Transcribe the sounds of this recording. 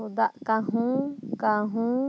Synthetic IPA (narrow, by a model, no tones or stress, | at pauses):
ud̪aʔkãɦũkãɦũ